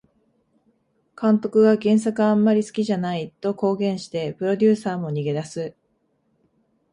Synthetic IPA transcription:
kãnt̪o̞kɯ̟ɡaɡẽ̞ɰ̃s̬akɯ̟ãmːaɾʲisɨ̥kʲiʑanait̪o̞ko̞ːɡẽ̞ɰ̃ɕi̥t̪e̞pɯ̟ɾo̞d̪ʲɨːsaːmo̞ɲ̟iɡe̞d̪asɨ

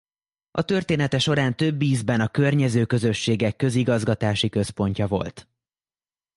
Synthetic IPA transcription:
ʔɒt̪ø̞rt̪eːnɛt̪ɛʃo̞ɾaːnt̪ø̞bːiːzbɛnɒkørɲɛzøːkø̞zø̞ʃːeːɡɛkːøziɡɒzɡɒt̪aːʃikø̞spo̞ɲcɒvo̞̰lt̪

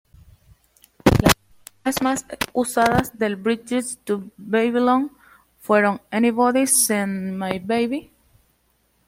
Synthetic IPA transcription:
las | asmasusaðasðelbɾit͡ʃɪst̪ubeβilõŋ | fweɾõŋeniβoðisĩnmajbejβi

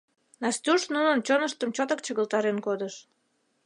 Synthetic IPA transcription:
nɑst̪ʲuʃnunənt͡ɕonəʃt̪əmt͡ɕot̪ək̚t͡ɕəɣəlt̪ɑɾenkod̪əʃ

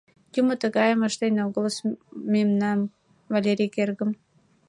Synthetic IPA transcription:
jumə̆t̪əɣɑjəməʃt̪enʲoɡoləsmemnɑm | valʲeɾʲijkerɣə̆m

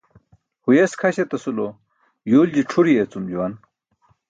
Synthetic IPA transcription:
hujeskʰɐɕet̪ɐsulo | juːld͡ʑiʈ͡ʂʰuɾijet͡sumd͡ʑuwɐn

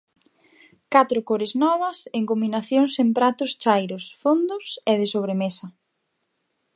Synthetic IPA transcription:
kat̪ɾʊkoɾɪznɔβ̞ɐseŋkombinaθjoŋsempɾat̪ʊst͡ʃajɾʊsfond̪ʊsɛðɪsoβɾemesɐ

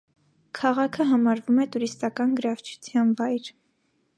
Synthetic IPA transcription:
kʰɑʁɑkʰəɦɑmɑɾvumɛt̪uɾist̪ɑkɑnɡəɾɑvt͡ʃʰu̥t͡sʰjɑnvɑjɾ

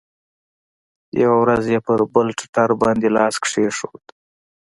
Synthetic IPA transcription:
ja̰wawɾazjepəɾbəlʈʊ̥ʈaɾbɑnd̪elɑskʂeʂo̰d̪

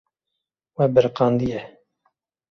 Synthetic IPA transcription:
wɛbəɾqɑːnd̪ijɛ

